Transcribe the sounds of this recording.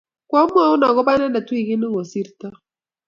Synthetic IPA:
kwa˦m˦a˦u˦na˨kɔ˦ba˦na˦nda˨tu˦i˦˨ki˦ni˦ŋɔ˨si˦ɾta˦

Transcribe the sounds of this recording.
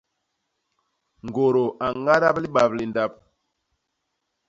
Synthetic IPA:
ŋ˨ɡo˨ɾo˨a˨ŋa˦ɾa˦pli˦ɓa˨pli˨nda˦˨p̚

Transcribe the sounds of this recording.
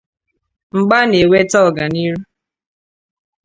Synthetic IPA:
ŋ͡m̩˨ɡ͡ba˦ne˨we˦tɔ˦˨ɡa˨ni˦ɾu˦

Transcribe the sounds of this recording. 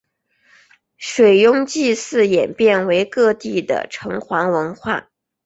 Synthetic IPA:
ʂwe˨˩ɪjʊ˥ŋt͡ɕi˥˧sɹ̩˥˩jɛ˨˩npjɛ˥˩nwe˧˥ɪkɤ˥˧t̪i˥˩d̪ə̰˩ʈ͡ʂʰɤ˧˥ŋxwɑ˧˥ŋwə˧˥nxwa̰˥˩

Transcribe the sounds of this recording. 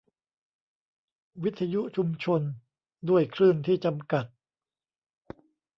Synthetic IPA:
wi˦˥t̪ʰːa˧ju˦˥ʔt͡ɕʰu˧mt͡ɕʰo˧n | du˥˩əjkʰɾɯː˥˩nt̪ʰiː˥˩t͡ɕa˧mka˨˩t̪̚

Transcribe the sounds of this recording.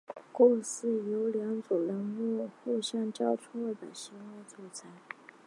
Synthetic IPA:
kɔʊ˥˩˧ŋsɹ̩˥˩jo˧˥ʊljɑ˧˥ŋt͡sɔ˨˩ŋlə˧˥ŋmu˥˧xu˥˧ɕjɑ˥˧ŋʈ͡ʂɑ˥˩ʊʈ͡ʂʰɔ˥˩d̪ə̰˨˩ɕi˧˥wa˥˧t͡swɔ˥˩t͡sʰa˧˥ɪ

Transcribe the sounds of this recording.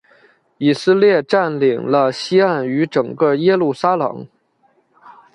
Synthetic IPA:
i˨˩sɹ̩˥˧ljɛ˥˧ʈ͡ʂa˥˩nli˨˩ŋlə˧ɕi˥a˥˩ny˧˥ʈ͡ʂɤ˨˩ŋkə˥˧jɛ˥lu˥˩sa˥lɤ̰˨˩˦ŋ

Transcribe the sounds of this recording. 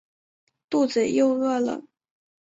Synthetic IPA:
t̪u˥˩t͡sə˨˩jo˥˧ʊɤ˥˩lə̰˨˩

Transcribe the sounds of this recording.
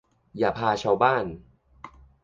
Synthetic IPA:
jaː˨˩pʰaː˧t͡ɕʰa˦˥˧wbaː˥˩n

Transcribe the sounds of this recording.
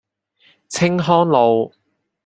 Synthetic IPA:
t͡sʰɪ˥ŋɦɔː˥ŋlo˨˧w

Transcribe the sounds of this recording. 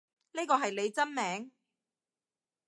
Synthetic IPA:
niː˥kɔː˧ɦɐ˨jle˨˧jt͡sɐ˥nmɛː˨˥ŋ

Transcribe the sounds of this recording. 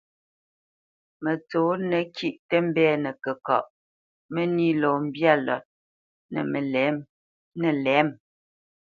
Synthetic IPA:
mə˨t͡soː˨˦nə˨ki˦˨ʔtə˦m̩˦bɛː˦˨nə˨kə˨kɔ̰˨ʔ | mə˦ni˦lɔ˨m̩˦bja˦˨lɔ̰˨t̚ | nə̰˨mə˨lɛ˨˦m | nə˨lɛ˨˦m

